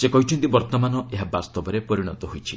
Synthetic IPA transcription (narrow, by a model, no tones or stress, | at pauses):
sekɔɦit͡ʃʰɔnt̪ibɔɾt̪ɔmanɔeɦabast̪ɔbɔɾepɔɾiɽ̃ɔt̪ɔɦojt͡ʃʰi